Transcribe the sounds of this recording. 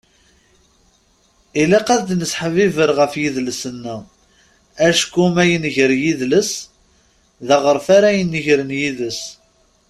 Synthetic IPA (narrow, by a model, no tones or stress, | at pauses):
ilæqæðd̪nəsħəvivəɾʁəfjiðləsənːə | æʃkumæjənʝəɾjiðləs | ðæʁəɾfaɾæjənːiʝɾənjiðəs